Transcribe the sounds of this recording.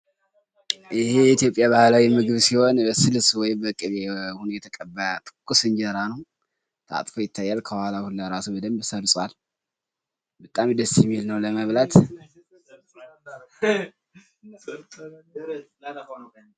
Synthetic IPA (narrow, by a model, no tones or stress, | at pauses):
ʔɪheit̪jo̞pʼjabahlawimɨɡɨβsiho̞nəsɨlswɔjbəkʼɨβehunjɛt̪ʰəkʼəbːat̪ʰʼɨ̥kʼːusɨnd͡ʒiɾanəw | t̪ʰa̰t̪ʼfojɪt̪ʰːajːalkʰəbəhalahulːəɾasubəd̪əmbsəɾsʼwal | bət̪ʼamd̪əsjɛmːilnəwləməβlat̪